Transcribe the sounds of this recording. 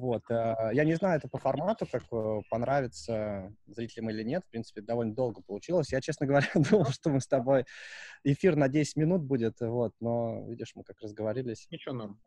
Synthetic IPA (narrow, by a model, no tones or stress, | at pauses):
vo̞t̪əjanʲɪznajʊɛt̪əpəfɐrmat̪ʊkakəpɐnɾavʲɪt̪səzɾʲitʲɪlʲɪmilʲɪnʲet̪fpɾʲint̪sɨ̥pʲɪd̪ɐvo̞lʲnəd̪o̞lˠɡəpəlˠʊt͡ɕilˠəsʲjat͡ɕesnəɡəvɐɾʲad̪uməjʂt̪omɨst̪ɐbo̞jɪfʲirnɐdʲesʲɪ̥tʲmʲɪnut̪̚budʲɪt̪vo̞t̪̚no̞vʲidʲɪʂmɨkakrəzɡəvɐɾʲilʲɪsʲɪt͡ɕonam